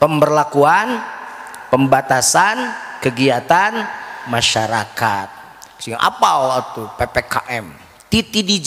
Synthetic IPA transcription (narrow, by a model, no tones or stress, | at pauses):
pəmbərlakuan | pəmbat̪asankəɡiat̪anmaʃaɾakat̪̚ | siŋaʔa̰paat̪upepekaʔɛm | t̪it̪idid͡ʒ